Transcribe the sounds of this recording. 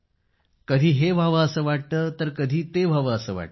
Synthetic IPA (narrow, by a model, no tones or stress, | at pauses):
kəd̪ʱiːɦeʋʱaʋəəsəːʋaʈ̚t̪əːt̪əɾkəd̪ʱiːt̪ebʱaʋəːsəːʋa̰ʈ̪̚ə